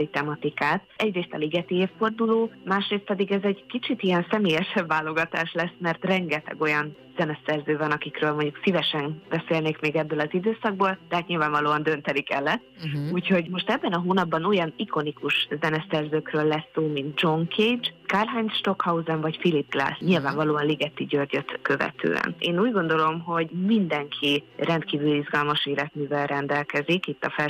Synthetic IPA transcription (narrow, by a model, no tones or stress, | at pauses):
it̪ɛmɒt̪ikaːt̪̚ɛɟreːst̪ɒliɡɛt̪ieːfːo̞rd̪uloːmaːʃreːst̪̚pɛd̪iɡɛzɛɟkit͡ʃit̪ijɛnsɛmeːjɛʃɛbːaːlːo̞ɡɒt̪a̰ːʃlɛsmɛrt̪rɛŋɡɛt̪ɛ̰ɡo̞jɒn | z̥ɛnɛsɛrzøːvɒnɒkikɾøːlmoɲɟuksivɛʃɛnbɛseːlneːkmeːɡɛbːøːlɒzid̪øːsɒɡ̚boːld̪ɛɦat̪ɲilvaːɱvɒloːɒnd̪ø̞nt̪ɛnikɛ̰lːɛ | uːcho̞ɟmo̞ʃt̪ɛbːɛnɒɦoːnɒbːɒnojɒniko̞nikuʃzɛnɛsɛrzøːkrøːlːɛsːoːmint̪d͡ʒo̞ŋkʰeːd͡ʒkaːrɦanʃt̪o̞khɒuzɛnvɒcfilip̚ɡla̰ːsɲilvaːɱvɒloːɒnliɡɛt̪ːiɟørɟøt̪kø̞vɛ̰t̪ʰø̰ːɛ̰neːnuːɟɡo̞nd̪o̞lo̞mɦo̞ɟmind̪ɛŋkʰirɛnt̪kiːvylyizɡɒlmɒʃeːlɛt̪myːvɛlɾɛnd̪ɛlkɛzikit̪ːɒfɛ